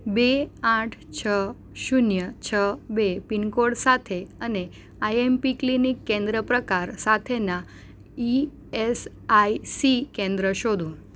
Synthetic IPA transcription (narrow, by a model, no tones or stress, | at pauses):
beãʈʰt͡ʃʰə | ʃunjət͡ʃʰəbepinkoɽsat̪ʰeəne | ajempiklinikːẽnd̪ɾəpɾəkaɾsat̪ʰena | i | es | ajsikẽnd̪ɾəʃod̪ʱũ